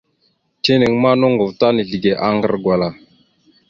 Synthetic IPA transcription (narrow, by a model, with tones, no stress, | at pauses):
t͡ʃe˦ni˨ŋma˦no˦ŋɡo˨vta˦ni˨ɮi˨ɡe˨ʔa˦ŋɡə̰˦ɾɡwa˨la˨